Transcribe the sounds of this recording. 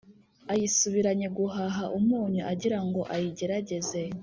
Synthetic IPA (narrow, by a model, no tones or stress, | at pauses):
ajisuβiɾaɲe̞ɡuɦaɦaʔumŋuːɲuʔaɟiɾaŋɡo̞ʔajiɟe̞ɾaɟe̞ze̞